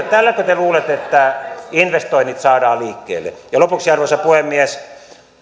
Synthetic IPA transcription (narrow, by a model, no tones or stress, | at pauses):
t̪ælːækøt̪eluːlet̪et̪ːæinʋest̪oinːit̪sɑːdɑːliːkːḛːlːḛjɑlopuksiɑrʋosɑpuhemːies